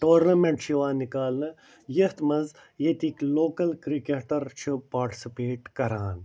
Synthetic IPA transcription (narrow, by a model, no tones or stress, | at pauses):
ʈoːɾnɐmẽɳʈʃiʋaːnikaːlnɐ | jɐt̪mɐnz | jet̪ikloːkɐlkɾikeːʈɐɾt͡ʃʰupaːɾʈi̥sipeːʈkɐɾaːn